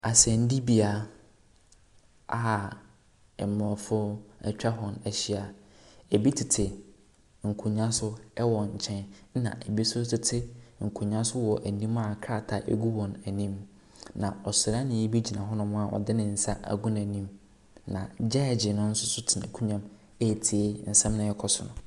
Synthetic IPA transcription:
a˨sɛ˨n˦di˦bi˨a˨ | a˨ | ɛ˨mɔ̃˨fʊ˦ɛ̰˨t͡ɕᶣa˦ɦɔ̃˨næ˨ɕi˨a˨e˨bi˦tʰɪ˨tʰɪ˨ | ŋ̩˨kʰu˨ɲã˦sʊ˦ɛ˦wɔ˨ɲ̩˨t͡ɕʰɛ̃˦n˦nã̰˨ʔe˨bi˦sʊ˦tʰɪ˦tʰɪ˦ŋ̩˨kʰũ˨ɲã˦sʊ˦wɔ˨ʔæ˨nĩ˦ma˦˨kʰɾa˦˨tʰa˨ʔḛ˦ɡu˦wɔ̃˨næ˨nĩ˦m | nã˨ɔ˨sʊ˨ɾa˦nɪ̃˨jɛ˦bi˦d͡ʑi˨nã˨ɦɔ˦nʊ̃˦mʊ̃˦a˨ʔɔ̰˨dɪ˦nɪ̃˨n̩˨sa˦ʔæ̰˨ɡʊ̃˦n˨æ˨nĩ˦m | nã̰˨d͡ʑɛ˦˨d͡ʑɪ˨nʊ̃˦n̩˦sʊ˦sʊ˦tʰɪ˨na̰˨kʰũ˦ɲã˦m | e˦˨tʰi˨e˦n̩˨sɛ̃˦mnʊ̃˨ɛ˦kʰɔ˦sʊ̰˨nʊ̃˨

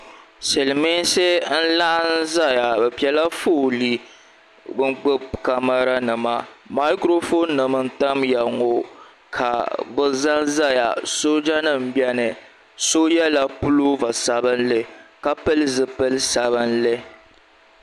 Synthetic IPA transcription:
sɛ˨lɨ˨me˦nse˦n̩˦la˦ʔa˦n̩˦za˦ja˨bɛ˨pi˨ɛ˦la˦fo˦˨li˦ | bɨ˦ŋ͡mk͡pɨ˦bka˦ma˦ɾa˦nɨ˨ma˨ma˦kɾo˦fo˦nːɨ˨mɨ˦n̩˦ta˦mja˨ŋo˨ | kʰa̰˨bɨ˦za˦nza˦ja̰˨so˦d͡ʒa˦nɨ˦m̩˨bɛ˦nɨ˨ | so˦jɛ˦la˦˨pu˦lo˦va˨sa˨bɨ˦nlɨ˦ka˦pɨ˦lɨ˦zɨ˨pɨ˦lɨ˦sa˨βɨ˦nlɨ˦

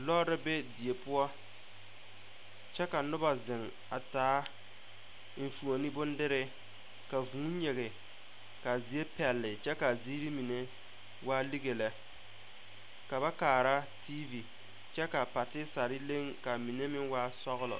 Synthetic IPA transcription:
lɔ˦ɾɪ˦be˦di˨e˨pʊ˦ɔ˦ | t͡ʃɛ˦ka˨nʊ˦ba˨zɪ˨ŋ | a˨taː˨˦ | m̩˨fu˨o˨ni˦bʊ˦n˦dɪ˦ɾɪ˦ | ka˨vũ˨˦ɲe˨ɣɪ˨ | ka˨zi˨e˦pɛ˨lːɪ˨t͡ʃɛ˦ka˨zi˦ɾi˦mi˨ne˦ | waː˦li˦ɣe˨la˨ | ka˨ba˦kaː˨ɾa˦tʰi˦vi˨ | t͡ʃɛ˦ka˨pa˨tɪ˦sa˨ɾɪ˦le˦ŋka˨mi˨ne˦mɪ˦ŋwaː˦sɔ˦ɣʊ˦lɔ̰˨

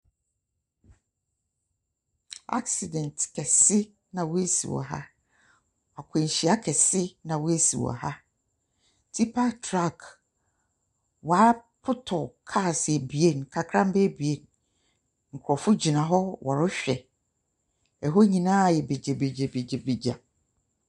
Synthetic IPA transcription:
a̰˦ksi˨dɛ̃˨ntkʰɛ˨sɪ˦ | nã˨wʊ˦e˦sḭ˨wɔ̰˨ɦa̰˦ | a˨kʰẽ˨ɕi˨˦a˦kʰɛ˨sɪ˦nã˨wʊ˦e˦sḭ˨wɔ̰˨a˨ha˦ | tʰi˦pʰa˦tʰɾa˦˨k | wa˨˦pʰʊ˦tʰɔ˨kʰa˦˨sɛ˨bi˨e˦˨n˨kʰa˨kʰɾã˦m˦be˦bi˨e˦˨n | ŋ̩˨kʰɔ˨fʊ˦d͡ʑi˨nã˨ɦɔ˦wʔɔ˨ɾʊ˦ɕᶣɛ˨ | ɛ˨ɦo˦ɲĩ˨nãː˦˨jɛ˨be˨d͡ʑe˨be˨d͡ʑe˨be˨d͡ʑe˨be˨d͡ʑa˨

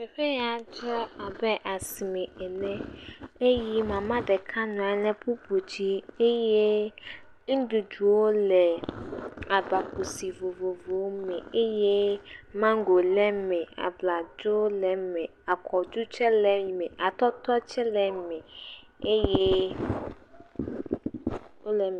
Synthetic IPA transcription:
ɸe˨ɸe˦ja˨d͡ʒɔ˦a˨bɛ˦ʔa˨si˨me˨ɛ˨lɛ̃˦e˦ji˦mã˨mã˦dɛ˨kʰã˦nʊ̃˨a˨˦lɛ̃˦pu˦bu˨d͡ʑi˦e˦je˦ | ŋ̩˦du˨d͡ʒu˨wo˦lɛ˨ | a˨ba˨ku˨si˨vo˨vo˨vo˨wmɛ̃˨e˦je˦mã˦ŋ˦ɡo˨lɛ˦mɛ̃˨a̰˨bla˨d͡ʒo˦lɛ˨mɛ̃˨ | a˨kʰɔ˨d͡ʒu˦t͡ʃɛ˦lɛ˨i˨mɛ̃˨ʔa˨t̪ɔ˦t̪ɔ˦t͡ʃɛ˦lɛ˨mɛ̃˨ | e˦je˦ | o˦lɛ˨m˨

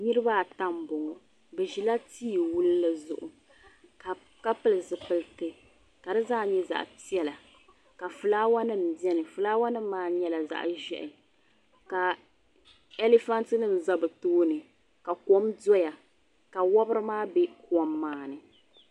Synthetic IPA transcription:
nɨ˦ɾɨ˦ba˦˨ta˦m˨bɔ˨ŋɔ˨ | bɛ˨ʒi˨la˦tiː˦˨wu˦lːɨ˦zʊ˨ʔʊ˨ | ka˨ | ka˦pɨ˦lɨ˨zɨ˨pɨ˨ltɨ˦ | ka˨dɨ˦zaː˦ɲɛ˦za̰˨ʔpi˦ɛ˦la˨ | ka˨fɨ˨laː˦wa˦nɨ˦m˨bɛ˦nɨ˨fɨ˨laː˦wa˦nɨ˦mː˦aː˦˨ɲɛ˦la˨za̰˨ʔʒɛ̰˨ʔɪ˨ | ka˨ | e˦le˦fa˦ntɨ˦nɨ˦m̩˨za˦bɨ˨toː˦nɨ˨ | ka˨kɔ˦mdɔ˦ja˨ | ka˨wɔ˦bɨ˦ɾɨ˦maː˦bɛ˦kɔ˦mːaː˨˦nɨ˨

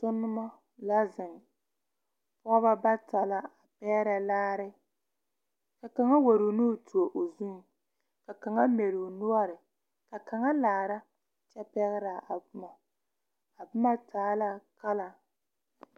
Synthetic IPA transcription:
tʊ˦nːʊ˦ma˦ | la˦zɪ˨ŋ˨ | pʊ˦a˦βa˦ba˦ta˨la˦a˨pɛː˦ɾa˦laː˦ɾɪ˦ | ka˨ka˨ŋa˦wa˨ɾo˨nu˦˨tu˨o˨ʔo˨zu˦ŋ˨ | ka˨ka˨ŋa˦mɛ˨ɾo˨nʊ˦ɔ˦ɾɪ˨ | ka˨ka˨ŋa˦laː˨ɾa˦ | t͡ʃɛ˦pɛ˦ɣɪ˦ɾa˨a˨bʊ˦ma˨ | a˨bʊ˦ma˦tʰaː˨˦la˦ka˦la˨

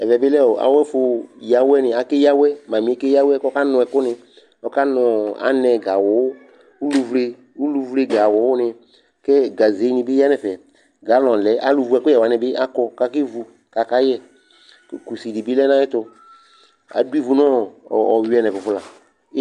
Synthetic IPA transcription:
ɛ˨vɛ˨bɪ˦lɛ˦ɔ˨a̰˨wɛ˦fʊ˧ja˨wɛ˦nɪ˧a˨ke˦ja˦wɛ˦mã˨mĩ˨˦ɛ˦ke˦ja˦wɛ˦kɔ˦ka˦nʊ̃˧ɛ˨kʊ˦nɪ̃˧ | ɔ˧ka˦nʊ˧a̰˨˦nɛ˧ɡa˨wɔ˨˦ | u˦lu˧vle˧ | u˦lu˧vle˧ɡa˨wɔ˨˦wʊ˦nɪ˧ | kɛ˦ɡa˨ze˨˦ɲĩ˧bɪ˦a˦nɛ˨fɛ˨ | ɡa˨˦lɔ̃˨lɛ˨˦ʔa˦lu˧˨vu˧˦ɛ˧˨kʊ˦ɛ˨wa˨nɛ̃˧˨bɪ˦ʔa˦kɔ˧˨ka˧ki˦vu˧ | ka˨ka˦jɛ˦ | kku˨si˨di˨bi˦lɛ˦nã˦ɛ˦t̪ʊ˧ | a̰˨du˦i˦vu˧nɔ̃˦˨ɔ˨wi˨˦ɛ˧˨nɛ̃˨fʊ˨fʊ˦la˨˦

